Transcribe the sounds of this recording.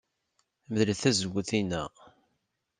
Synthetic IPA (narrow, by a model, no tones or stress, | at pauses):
məðləθæzəɡʷːəθinːæ̰